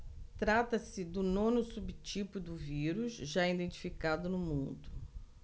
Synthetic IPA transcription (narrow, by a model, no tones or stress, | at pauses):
t̪ɾat̪ɐsɪd̪ʊnõnʊsubt͡ʃipʊʊd̪ʊviɾuzʒaid̪ẽnt͡ʃi̥fikad̪ʊnʊmũnd̪ʊ